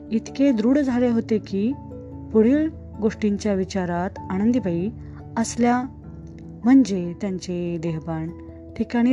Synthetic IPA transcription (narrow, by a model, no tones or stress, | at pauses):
it̪ked̪ɾuːɽd͡zʱaleɦot̪ekiː | puɽ̤iːl | ɡoʂʈiɲt͡ɕjaʋit͡ɕaɾat̪aɽ̃ənd̪ibʱai | əslja | m̤əɳd͡ʑet̪jaɲt͡ɕed̪eɦban | ʈʰikaɽ̃i